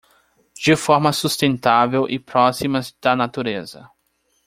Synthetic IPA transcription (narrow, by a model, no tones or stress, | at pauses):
d͡ʒɪfɔɾmɐsust̪ẽnt̪avewʔɪpɾɔsimɐzd̪̥ɐnat̪uɾezɐ̰